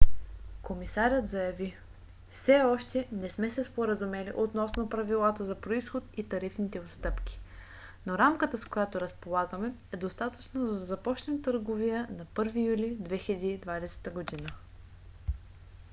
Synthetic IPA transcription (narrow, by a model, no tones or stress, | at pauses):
komisaɾʲət̪zɐjɐvi | fsɛɔʃt̪ɛnɛsmɛsɛspoɾəzumɛlḭʔot̪nɔsnopɾɐvilˠat̪əzɐpɾoisxot̪it̪ɐɾifnit̪ɛot̪st̪ɤpk̟ʲi̥ | noɾamkət̪əskojat̪oɾɐspolˠaɡəmɛɛd̪ost̪at̪ət͡ʃnozɐd̪ɐzɐpɔt͡ʃnɛmt̪əɾɡovijənɐpɤɾvijulid̪vɛxʲilɛd̪iːd̪vad̪ɛsɛ̥t̪əɡod̪inə